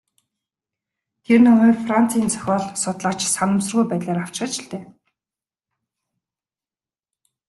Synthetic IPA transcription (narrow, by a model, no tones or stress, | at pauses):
t̪ʰernɵ̆meːfran̥t͡sʰiːnt͡sʰœ̥xʲɔːɮsʊt̪ɮaːt͡ɕsanə̆ms̬ə̆rɣujpæːt̪ɮeːɾaw̥t͡ɕχə̆t͡ɕɪɬt̪eː